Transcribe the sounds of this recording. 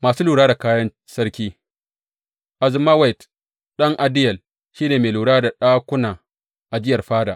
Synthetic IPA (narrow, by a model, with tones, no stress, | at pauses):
maː˨suː˦luː˨ɽaː˦da˨kaː˦jɐ˦n | sɐ˦rkʲiː˦ | ʔa˨zɪ˨maː˦wa˦jt | ɗɐ˦ŋʔa˨dɪ˦jɐ˨l | ʃiː˦neː˨meː˨luː˨ɽaː˦da˨ɗaː˦kʷʊ˦naː˨ | ʔa˨d͡ʒɪ˦jɐ˨rɸaː˦da̰ː˨ʔ